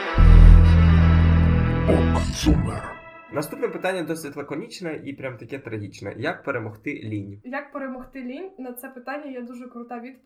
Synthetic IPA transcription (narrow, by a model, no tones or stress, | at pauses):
ɔɐsumɛ | nɐst̪upnɛpɪt̪anʲːɐd̪ɔsʲɪtʲlˠekɔnʲit͡ʃnɐʔipɾʲamt̪ɐkʲɛt̪ɾɐɦʲit͡ʃnɛ̰jɐk̚peɾemɔxt̪ɪlʲinʲjɐk̚peɾemɔxt̪ɪlʲinʲnɐt̪sɛpɪt̪anʲːɐjɛd̪uʒɛkɾʊt̪ɑʋʲid̪p